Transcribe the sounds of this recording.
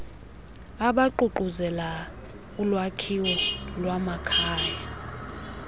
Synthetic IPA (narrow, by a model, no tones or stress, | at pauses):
aɓaǃuǃuzɛla | ulwakʰiwɔlwamakʰaːja